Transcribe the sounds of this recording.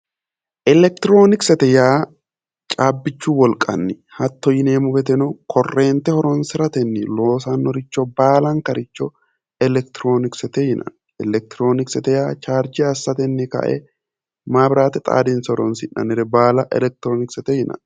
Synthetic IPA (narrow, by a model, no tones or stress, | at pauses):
ʔɛlɛk̚t̪ɪɾo̞ːnɪksɛt̪ɛjaː | t͡ʃʼaːbːɪt͡ʃːuːwɔlkʼɐ̰nːɪ | hɐt̪ːɔjɪneːmʊbɛt̪̬ɛnʊkʰɔrːeːnt̪ɛhɔɾɔnsɪɾɐt̪ɛnːɪlo̞ːs̬anːɔɾɪt͡ʃːɔbaːlɐŋkɐɾɪt͡ʃːɔ | ɛlɛkt̪ɪɾo̞ːnɪksɛt̪ɛjɪnʔɐ̰n | ɛlɛk̚t̪ɪɾoːnɪksɛt̪ɛjaːt͡ʃaːɾd͡ʒɪɐsːɐt̪ɛnːɪkɐ̰ʔɛ̰ | maːbɪɾaːt̪ɛt̪ʼa̰ːd̪ɪnsɔɾɔnsɪᶑɐ̰nɪɾɛbaːlɐʔɛ̰lɛk̚t̪ɪɾoːnɪksɛt̪ɛjɪnʔɐ̰n